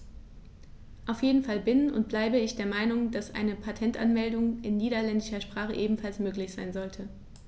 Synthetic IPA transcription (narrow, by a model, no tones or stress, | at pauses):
ʔaʊfjeːdn̩falbɪnʊ̰nt̚b̥laɪbəɪçd̥eːɐmaɪnʊŋd̥asʔa̰ɪnəpʰatʰɛntʔanmɛldʊŋʔɪnːiːɾɐlɛndɪʃɐʃpʁ̥aːχəʔeːbm̩falsmøːklɪçz̥aɪnzɔltʰə